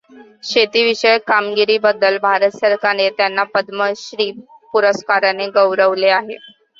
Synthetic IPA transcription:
ɕet̪iːʋiɕəjkamɡiɾiːbəd̪ːəlbʱaɾət̪səɾkanet̪janːapəd̪məɕɾiːpuɾəskaɾaneɡəʋɾəʋleaɦe

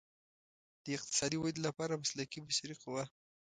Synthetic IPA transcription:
d̪̥əɪq̚t̪ɪ̥sɑd̪iwad̪lapɑɾamaslakibaʃaɾiqʊwa

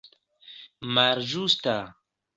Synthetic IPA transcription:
maɾʒust̪a

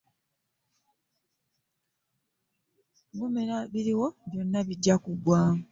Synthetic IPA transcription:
bumeɾaβiɾiwo̞βjo̞nːaβiɟːakuɡwaːŋu

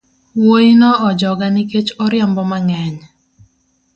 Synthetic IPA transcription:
woinɔɔd͡ʒɔɡanɪket͡ʃɔɾɪambɔmaŋɛɲ

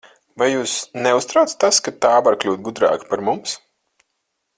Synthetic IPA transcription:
vajjuːsnɛust̪ɾawt̪st̪askat̪aːvaɾklʲuːt̪̚ɡud̪ɾa̰ːkpaɾmums

